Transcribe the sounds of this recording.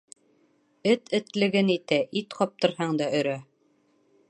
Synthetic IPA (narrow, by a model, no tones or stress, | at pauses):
ɘt̪ʰɘ̆t̪lɘ̆ɡɘnit̪æʔit̪qɒp̚t̪ɤ̆ɾhɑɴd̪ɑɵ̆ɾæ